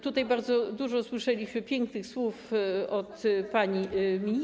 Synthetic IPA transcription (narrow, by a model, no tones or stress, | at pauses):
t̪ut̪ajbaɾd̪zɔd̪uʐɔswɘʂɛlʲiɕmɘpʲjɛŋknɘxswufɔt̪paɲimʲi